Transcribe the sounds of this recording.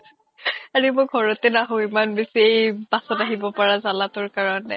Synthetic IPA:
aɹimʊɡʱɔɹɔtenaɦʊ̃imanbesiejbasɔtaɦibɔpaɹazalatʊɹkaɹɔnɛ̰

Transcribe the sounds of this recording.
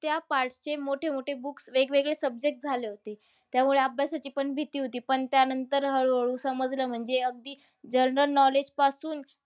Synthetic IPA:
t̪japaɾʈt͡ɕemoʈʰemoʈʰebuksʋeɡʋeɡɭesəb̚d͡ʑek̚ʈ̚d͡zʱaleɦot̪e | t̪jamuɭeəbjasat͡ɕiːpəɳbʱit̪iːɦot̪iːpəɳt̪janənt̪əɾɦəɭʋəɭũːsəməd͡zləːm̤əɳd͡zeəɡ̚d̪iː | d͡ʑəɾɾəlnɔled͡ʑpasuːn

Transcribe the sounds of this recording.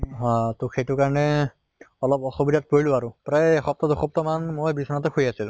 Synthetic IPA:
ɦɔ̃tʊkʰejtʊkaɹɔnɛ | ɔlɔpɔxɔbidat̚poɹilʊaɹʊpɹajxɔp̚tɔduxɔp̚tɔmanmojbisɔnatɔkʰojasil

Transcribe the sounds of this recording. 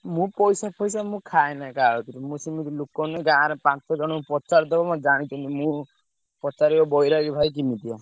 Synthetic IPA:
mũpɔjsapʰɔjsamũkʰaenakaɦɔt̪iɾimũsimit̪ilukɔneɡãːɾɔpãt͡ʃɔd͡ʒɔɽ̃ɔpɔt͡ʃaɾd̪ɔbɔmãd͡ʒaɽ̃it͡ʃ̪ʰɔnt̪imũ | pɔt͡ʃaɾiɔbɔjɾaɡibʱajk̬imit̪ia

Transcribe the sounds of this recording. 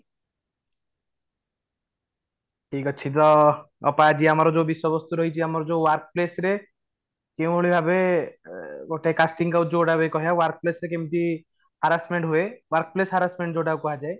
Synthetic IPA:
ʈʰikɔt͡ʃʰit̪ɔ | ɔ̰paad͡ʒiamaɾɔd͡ʒoːbisɔbɔst̪uɾɔɦit͡ʃʰiamɔɾɔd͡ʒoːwaɾk̚plesɾe | kew̃bʱoɭibʱabe | ɡoʈeekasʈiŋkawd͡ʒoɽabekɔɦiawaɾk̚plesɾekew̃t̪i | haɾasmeɳʈɦuewaɾk̚plesɦaɾasmeɳʈd͡ʒoɽawkɔɦad͡ʒae

